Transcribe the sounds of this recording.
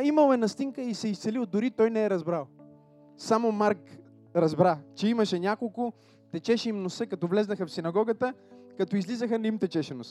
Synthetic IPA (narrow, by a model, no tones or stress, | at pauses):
imɐlˠɛnɐst̪iŋkəisɛist̪sɛlilˠd̪ʊɾit̪ɔjnɛɛɾɐzbɾalˠ | samomaɾk | ɾɐzbɾat͡ʃɛimɐʃɛnʲakolˠkʊ | t̪ɛt͡ʃɛʃɛimnosəkɐt̪ɔvlɛznəxɐfsinɐɡɔɡət̪əkɐt̪ɔizlizəxənimt̪ɛt͡ʃɛʃɛnos